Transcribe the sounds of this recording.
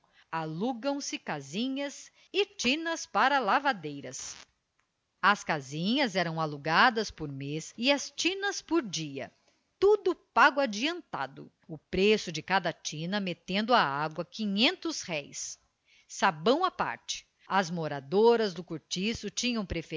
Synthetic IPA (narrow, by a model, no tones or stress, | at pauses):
aluɡɐ̃w̃sɪkazĩɲɐz | ɪt͡ʃĩnɐspaɾɐlavad̪ejɾɐs | ɐskazĩɲɐzɛɾɐ̃w̃aluɡad̪ɐspoɾmesɪɐst͡ʃĩnɐspoɾd͡ʒiɐ̰ | t̪ud̪ʊpaɡʊad͡ʒiɐ̃nt̪a̰d̪ʊ̰ | ʊpɾesʊd͡ʒɪkad̪ɐt͡ʃĩnɐmet̪ẽnd̪ʊaaɡwɐkĩɲẽnt̪ʊshɛjsː | abɐ̃w̃apa̰ɾt͡ʃɪ̥ | ɐzmoɾad̪oɾɐzd̪ʊkuɾt͡ʃisʊt͡ʃĩɲɐ̃w̃pɾef